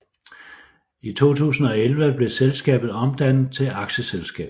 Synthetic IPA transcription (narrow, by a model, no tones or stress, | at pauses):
it͡sʰo̝̰ːt͡sʰṵːsn̩ɒ̽elʋəb̥le̝selsɡ̥ɛ̰ːb̥ð̩ˠɒ̽md̥æn̰ð̩ˠt͡sʰe̝ʔɑ̈ɡ̥ɕəselsɡ̥ɛ̰ːb̥̩